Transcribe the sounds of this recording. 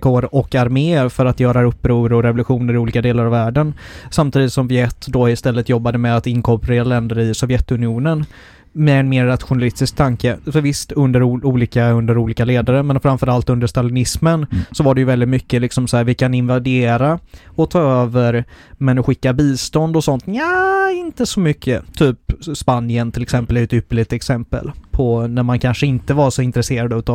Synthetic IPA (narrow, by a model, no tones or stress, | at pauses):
kʰoːɾɔkaɾmeːɾfœɾat̪jœːɾaɵpːɾuːɾɔɾɛvʊlɵɧuːnəɾɪuːliːkad̪eːlaɾavæːɖənsamt̪ʰiːd̪ɪt̪sɔmvɪɛt̪ːd̪ɔɪst̪ɛlːət̪jɔbːad̪əmɛd̪at̪ɪnkʰɔpɾeːɾalɛnd̪əɾɪsɔvjɛt̪ːɵnɪuːnən | mɛːnmeːɾːat̪ɧʊnalɪst̪ɪsk̚t̪ʰaŋkəfœɾvɪst̪ɵnd̪əɾuːliːkaɵnd̪əɾuːliːkaleːd̪aɾəmɛnfœɾamfœɾalt̪ɵnd̪əʂt̪alɪnɪsmənsɔvaɖɛjɵvɛld̪ɪt̪mʏkːəlɪksɔmsɔæːɾvɪkʰanɪnvad̪eːɾaɔt̪ʰɑːøːvəɾmɛnɔɧɪkːabiːst̪ɔnd̪ɔsɔnt̪aɪnt̪əsɔmʏkːət̪ʰyːpspanɪənt̪ʰɪlɛksɛmpəlɪɛːt̪ʏpːəɭɪt̪ɛksɛmpə̰lpʰɔnæɾmankʰanʂəɪnt̪əvasɔɪnt̪ɾɛseːɾad̪ʉ̟t̪ɑ